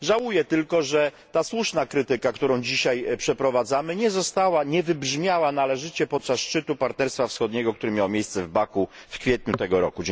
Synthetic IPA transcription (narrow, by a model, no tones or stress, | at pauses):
ʐawujɛt̪ɘlkɔʐɛ | t̪aswuʂnakɾɘt̪ɘkakt̪uɾɔ̃w̃d͡ʑiɕajpʂɛpɾɔvad̪zamɘɲɛzɔst̪awaɲɛvɘbʐmʲjawanalɛʐɘt͡ɕɛpɔt̪̚t͡ʂasʂt͡ʂɘt̪upaɾt̪nɛɾst̪fafsxɔd̪̚ɲɛɡɔk̚t̪uɾɘmʲjawmʲejst̪sɛvbakufkfʲjɛt̪̚ɲut̪ɛɡɔɾɔ̰kud͡ʑ